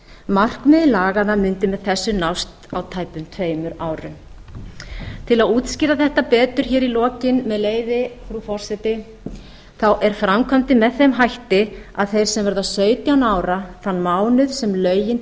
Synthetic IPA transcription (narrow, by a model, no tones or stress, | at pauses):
mar̥kmɪðɪlaːɣaðamʏnt̪ɪmɛðθɛsːʏnawst̪awt̪ʰaːjpʏmt̪ʰveːjmʏɾaːwɾʏ̰m | t̪ʰɪlaðuːt̪scɪːɾðaθɛht̪apɛːt̪ʏɾ̥çɛːɾilɔːcɪnmɛðleːjvɪfɾufɔr̥sɛt̪ɪ | θawʔɛɾ̥fɾamkʰɔmt̪ɪmɛðθejmɦajht̪ɪa̰ðθejɾ̥sɛmvɛɾðasœːɥt̪jawnaːwɾaθanːmaːwnʏð̥sɛmlœːɥjɪn